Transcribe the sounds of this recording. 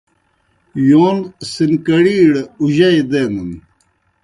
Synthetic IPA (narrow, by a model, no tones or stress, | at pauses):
joːnsinkɐɽiːɽuʑɐid̪enɐn